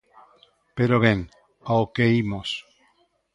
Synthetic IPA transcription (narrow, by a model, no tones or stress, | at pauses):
peɾoβeŋ | aokeimos